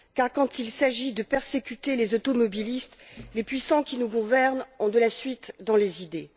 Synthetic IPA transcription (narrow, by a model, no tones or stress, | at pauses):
kaʁkɑ̃t̪ilsaʒid̪əpɛʁsekʲyt̪elezɔt̪ɔmɔbilist̪lepɥisɑ̃kʲinuɡuvɛʁnɔ̃d̪əlasɥit̪d̪ɑ̃lezid̪e